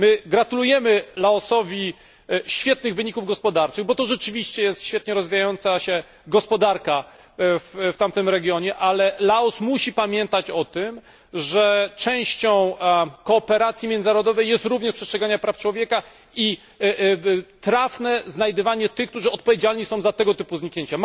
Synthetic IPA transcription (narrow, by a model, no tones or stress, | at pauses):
mɘɡɾat̪ulujɛmɘlaɔsɔvʲi | ɕfʲjɛt̪̚nɘɣvɘɲikuvɡɔspɔd̪aɾt͡ʂɘɣbɔt̪ɔʐɛt͡ʂɘvʲiɕt͡ɕɛjɛst̪ɕfʲjɛt̪̚ɲɛɾɔzvʲijajɔnt̪saɕɛ | ɡɔspɔd̪aɾka | fft̪amt̪ɘmɾɛɡʲjɔɲɛʔalɛlaɔsmuɕipamʲjɛnt̪at͡ɕɔt̪ɘm | ʐɛt͡ʂɛ̃w̃ɕt͡ɕɔ̃w̃kɔːpɛɾat̪sʲjimʲjɛnzaɾɔd̪ɔvɛjːɛst̪ɾuvɲɛʂpʂɛstʂɛɡaɲapɾaft͡ʂwɔvʲjɛka | i | t̪ɾafnɛznajd̪ɨvaɲɛt̪ɘxkt̪uʐɘɔt̪̚pɔvʲjed͡ʑalɲisɔ̃w̃zat̪ɛɡɔt̪ɘpuzɲikɲeɲt͡ɕa